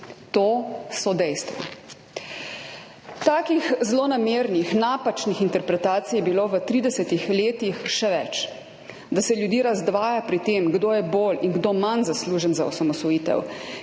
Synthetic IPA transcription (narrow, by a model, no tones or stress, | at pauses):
t̪oːsɔd̪ɛjst̪ʋɔ̰ | t̪aːkixzlonameːɾnixnaːpat͡ʃnixint̪ɛɾpɾɛt̪aːt̪sijɛbiloːʋət̪ɾiːd̪ɛsɛt̪ixleːt̪ixʃɛʋɛt͡ʃ | d̪asɛljud̪iːɾazd̪ʋaːjapɾit̪eːmɡd̪oːjɛboːlinɡd̪oːmanzasluːʒənzaɔsamɔsʋɔjiːt̪ɛ̰w